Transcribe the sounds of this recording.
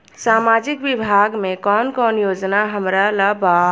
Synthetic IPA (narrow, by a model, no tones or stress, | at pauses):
saːmaːd͡ʒɪkwɪbʱaːɡmẽkɔːnkɔːnjoːd͡ʒnaɦəmɾalaba